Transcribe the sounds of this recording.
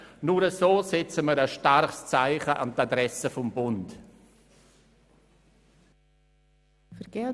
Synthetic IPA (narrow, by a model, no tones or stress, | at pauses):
nuɾəsoːsɪt͡səməɾəʃtarχst͡saɪχəʔa̰ntadɾɛsəfɔmbʊnt | fəɾɡ̥ɛ